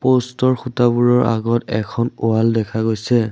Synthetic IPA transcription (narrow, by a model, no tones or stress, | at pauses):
postɔɹxutabuɹɔɹʔa̰ɡɔtɛkʰɔnʊaldɛkʰaɡojsɛ